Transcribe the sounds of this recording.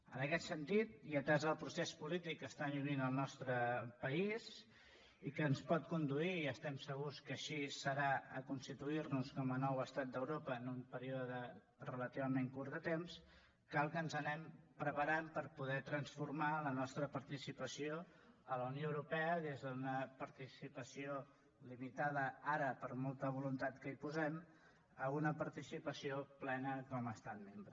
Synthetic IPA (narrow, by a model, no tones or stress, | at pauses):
ənəkɛt̪sənt̪it̪̚iət̪azəlˠpɾusespulit̪ikːəst̪anuninəlˠnɔst̪ɾəpəiz | ikəːnspɔt̪̚kund̪uiːəst̪ɛmsəɣuskəʃisəɾaə̰kunst̪it̪uirnuskɔmənɔwəst̪at̪̚d̪əwɾopəːnumpəɾioðəðə | rələt̪iβəmeŋkurt̪d̪ət̪ems | kalˠkənzənɛmpɾəpəɾampəɾpuðɛt̪ɾənsfuɾmalənɔst̪ɾəpəɾt̪isipəsioələunijoəwɾupɛəðezðəunəpəɾt̪isipəsio | limit̪að̞əaɾəpəɾmolˠt̪əβ̞ulunt̪at̪kəipuzɛm | əunəpəɾt̪isipəsioplɛnəkɔməst̪at̪̚membɾə